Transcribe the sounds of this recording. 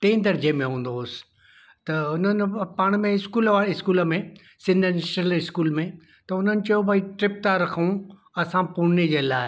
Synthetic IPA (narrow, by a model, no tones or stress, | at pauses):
t̪ẽːnd̪ɐɾd͡ʑemẽɦũːn̆d̪osɪ̥ | t̪ɐʊn̤ənɪ̆paːɽ̃mẽɪskuːlʋaːɪskuːlə̆mẽ | sɪ̃nd̪ʱənɪsʈəlɪskuːlmẽ | t̪ɐʊn̤ənɪ̆t͡ɕɐjobʱaiʈɾɪp̚t̪aɾɐkʰũ | ɐsãpuned͡ʑeːlaːɪ